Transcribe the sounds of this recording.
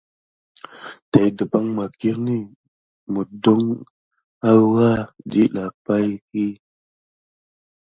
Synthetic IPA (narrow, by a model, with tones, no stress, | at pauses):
ta˨jdə˨ba˦ŋma˨ki˦ɾni˦ | mu˨do˦ŋ | a˦wa˦d͡ʒi˦ɗa˨pa˦jhi˦